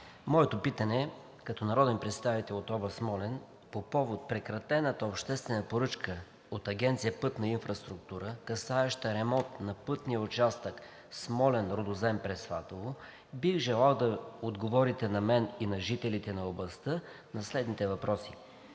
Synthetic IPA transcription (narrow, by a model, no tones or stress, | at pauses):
mɔɛt̪opit̪ənɛ | kɐt̪ɔnɐɾɔd̪ɛnpɾɛt̪st̪avit̪ɛlˠot̪ɔbəsmɔlɛn | popɔvot̪̚pɾɛkɾɐt̪ɛnət̪əopʃt̪ɛst̪vɛnəpoɾɤt͡ʃkə | ot̪ɐɡʲɛnt̪sijəpɤt̪nɐinfɾəst̪ɾuk̚t̪uɾəkɐsaɛʃt̪əɾɛmɔnt̪nɐpɤt̪nijəʊt͡ʃast̪ək | smɔlɛnɾod̪ozɛmpɾɛsvat̪ovo | bixʒɛlˠalˠd̪ɐod̪ɡovɔɾit̪ɛnɐmɛninɐʒit̪ɛlit̪ɛnɐoblˠɐst̪ə | nɐslɛd̪nit̪ɛvɐpɾɔsi